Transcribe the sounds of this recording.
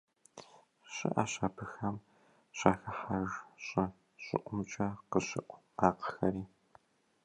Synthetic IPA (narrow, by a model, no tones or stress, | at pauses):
ɕʼɪ̰ʔaːɕaːpʰɨxɐm | ɕaːxɐħaʒɕʼɐ | ɕʼɪ̰ʔʷʼʊmt͡ʃʼaːqəɕɪ̰ʔʷ | aːqə̥xɐɾiː